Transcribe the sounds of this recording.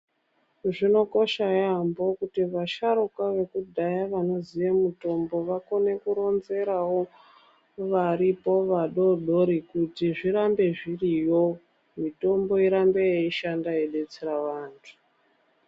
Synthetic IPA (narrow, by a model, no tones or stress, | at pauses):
ʐino̞ko̞ʃajambo̞kutiʋaʃaɾukwaʋe̞kudʱajaʋano̞ziʋemuto̞mbo̞ʋako̞ne̞kuɾo̞nze̞ɾawo̞ | ʋaɾipo̞ʋaɗo̞ɗo̞ɾikutiʐiɾambe̞ʐirijo̞ | mito̞mbo̞iɾambe̞jeiʃandaeɗe̞t͡seɾaʋaːntʰu̥